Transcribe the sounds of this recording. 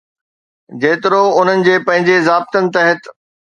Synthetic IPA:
d͡ʑeːt̪ɪɾoʊn̤ənɪ̆d͡ʑeːpɐ̃ɦɪ̃ɲd͡ʑezaːb̚t̪ənɪ̆t̪ɐɦət̪

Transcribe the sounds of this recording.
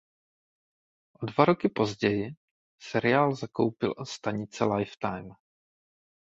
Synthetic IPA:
ʔodvaɾo̞kɪpo̞zɟɛjɪ | sɛɾɪaːlzako̞̰wpɪlʔost̪aɲɪt͡sɛlajft̪ajm

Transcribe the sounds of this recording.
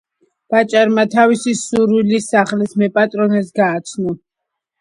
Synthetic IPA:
b̥at͡ʃʼaɾmat̪ʰavisisuɾwilisaχlismɛpʼat̪ʼɾɔnɛsɡaːt̪sʰnɔ

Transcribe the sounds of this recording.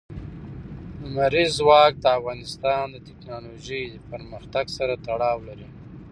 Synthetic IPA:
ʊmaɾizwɑk̚d̪əafɣɑnɪst̪ɑnd̪ət̪ɪknɑloʒəjd̪əpəɾməxt̪aɡsaɾat̪aɽɑwlaɾi

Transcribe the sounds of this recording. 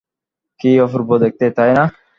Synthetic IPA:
kiofuɾbod̪ek̚t̪et̪ajna

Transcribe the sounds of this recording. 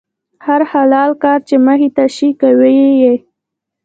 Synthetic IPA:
haɾhalɑlkɑɾt͡ʃeməɦit̪aʃikaweje

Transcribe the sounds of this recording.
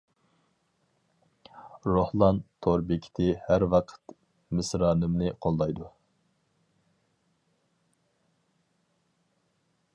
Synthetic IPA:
ɾohlˠɑnt̪ʰoɾbɪkʲʰi̥t̪ʰɪhæɾwɑqʰə̥t̪ | mɪsɾɑːnɨmnɨqʰolˠːɑjd̪u

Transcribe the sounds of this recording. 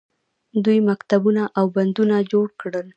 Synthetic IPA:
d̪ujmakt̪abunaʔawband̪unad͡ʒoɽkɽəl

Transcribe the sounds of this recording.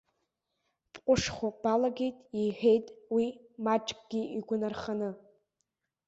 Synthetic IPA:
pʼqʷʼʊʂχʷob̥alaɡʲejtʼiħᶣe̞jtʼwimaʈ͡ʂʼkʼɡ̥ʲiiɡʷʊnarχanɨ

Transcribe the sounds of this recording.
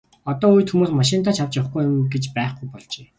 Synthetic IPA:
ɔt̪ɔːuj̆t̪xumuːsmaʃɪ̆nt̪ʰaːt͡ɕʰawt͡ɕaχɡujʊmɡet͡ɕpæːχɡujpɔɮt͡ɕeː

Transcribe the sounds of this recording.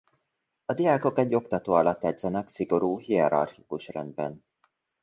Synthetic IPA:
ɒd̪ijaːko̞kɛɟːo̞kt̪ɒt̪oːɒlɒt̪ːɛd̪zɛnɛksiɡo̞ɾuːɦiɛɾɒ̰rxikuʃrɛ̰nd̪̚bɛ̰n

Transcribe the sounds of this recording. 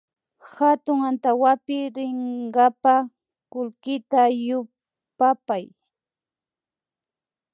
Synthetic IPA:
hat̪ʊŋant̪awapɪɾɪɴɢapa | kʊlkɪt̪ajʊ | papaj

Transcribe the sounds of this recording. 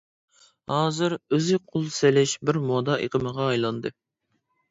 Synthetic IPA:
hɑːzɨɾøzɪqʰolˠselɪʃbɪɾmod̪ɑʔeqʰəməʁɑːjlˠɑnd̪ɨ

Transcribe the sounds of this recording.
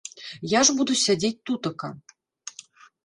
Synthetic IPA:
jaʐbud̪usʲad͡zʲet͡sʲt̪ut̪ɐkɐ̰

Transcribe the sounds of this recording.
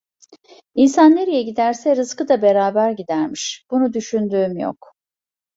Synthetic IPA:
insanːeɾijɛɟid̪æɾsɛɾɯskɯd̪abe̞ɾaːbæɾɟid̪æɾmiʃb̥unud̪yʃynd̪yːmjo̰k

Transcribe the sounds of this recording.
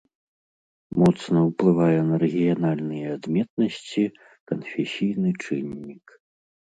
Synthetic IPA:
mɔt̪snɐwplˠɨvajɛnɐɾɛɣʲijanalʲnɨjɛad̪mʲɛt̪̚nɐsʲt͡sʲi | kɐnfʲɛsʲijnɨt͡ʂɨnʲːik

